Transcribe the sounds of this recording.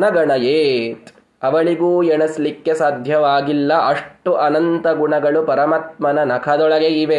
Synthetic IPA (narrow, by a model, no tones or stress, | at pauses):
nɐɡɐɳɐjeːt̪ | ɐʋɐɭiɡuːeɳɐslikːesaːd̪ʱjɐʋaːɡilːɐʔɐʂʈuʔɐnɐnt̪ɐɡuɳɐɡɐɭupɐɾɐmɐt̪̚mɐnɐnɐkʰɐd̪ɔɭɐɡeiʋe